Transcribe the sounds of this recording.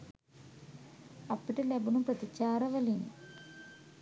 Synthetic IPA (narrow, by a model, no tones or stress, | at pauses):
ɐpːiʈːɐlɐbunumprɐt̪it͡ɕːaːɾɐʋɐlin